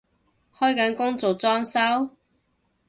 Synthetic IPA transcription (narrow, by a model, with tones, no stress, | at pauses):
hɔː˥jkɐ˨˥nkʊ˥ŋt͡so˨wt͡sɔː˥ŋsɐ˥w